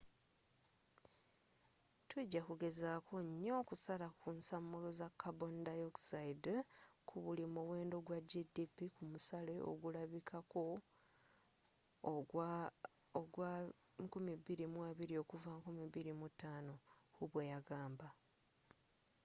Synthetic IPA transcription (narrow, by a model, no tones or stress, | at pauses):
tʰuɟːakuɡe̞zaːkoɲːo̞kusalakunsamːulozakːabondajoksaidkʰuβulimuwe̞ːndo̞ɡwaɟidipːikumusale̞o̞̰ɡulaβikʰako̞ | oɡwa | kumiβiɾimwaːβiɾio̞kuvaŋkumiβiɾimutaːno̞huβwejaɡaːmba